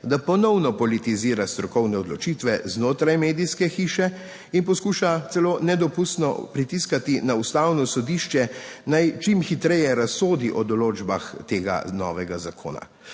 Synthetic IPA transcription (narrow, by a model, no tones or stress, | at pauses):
d̪apɔnɔwnɔpɔlit̪iziːɾast̪ɾɔkɔwnɛɔd̪lɔt͡ʃit̪ʋɛznoːt̪ɾajmeːd̪ijskɛxiːʃɛ | inpɔskuːʃat̪sɛloːnɛd̪ɔpust̪nɔ̰pɾit̪iskat̪inaust̪awnɔsɔd̪iːʃt͡ʃɛnajt͡ʃimxit̪ɾɛjɛɾasːoːd̪iʔɔd̪ɔloːd͡ʒbaxt̪eːɡa̰nɔ̰ːʋɛɡazakʰo̰ːna̰